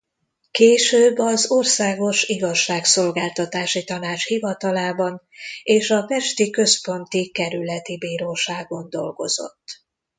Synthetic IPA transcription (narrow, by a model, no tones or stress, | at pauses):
keːʃøːbːɒzorsaːɡo̞ʃiɡɒʃːaːkso̞lɡaːlt̪ɒt̪aːʃit̪ɒnaːt͡ʃhivɒt̪ɒlaːbɒn | eːʃɒpɛʃt̪ikø̞spo̞nt̪ikɛɾylɛt̪ibiːɾoːʃaːɡond̪o̞̰lɡo̞̰z̥o̞̰t̪ː